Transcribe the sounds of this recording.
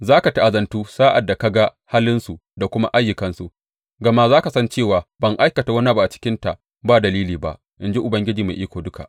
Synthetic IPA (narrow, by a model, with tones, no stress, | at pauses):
zaː˦ka˨ta˦ʔa˨zɐ˨ntuː˦saː˦ʔa˨dːa˨ka˦ɡa˦haː˦lɪ˦nsu˨ʔda˨kʷʊ˦ma̰˦ʔa˦jːʊ˨kɐ˦nsu˨ʔ | ɡɐ˨ma˦zaː˦ka˨sɐ˦nt͡ʃeː˦˨waː˨bɐ˦˨ŋʔa˦jkɐ˨ta˨wɐ˦n˦a˦ba˦ʔa˨t͡ʃɪ̥˦kʲɪ˦nta˨ʔ | baː˦˨dɐ˨liː˦liː˨ba̰˨ʔ | ʔɪ˨nd͡ʒe˦ʔʊ˨bɐ˦ŋɡʲɪ˦d͡ʒiː˨ma̰˨ʔiː˦kʷoː˨dʊ˦ka̰˨ʔ